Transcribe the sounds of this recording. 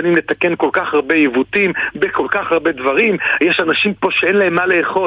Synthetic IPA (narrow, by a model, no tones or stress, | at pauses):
animlet̪akenko̞lkaχaʁbe̞jivut̪imbeko̞lkaχaʁbe̞d̪vaʁimjeʃanaʃimpo̞ʃeenlaemːale̞ːχo̞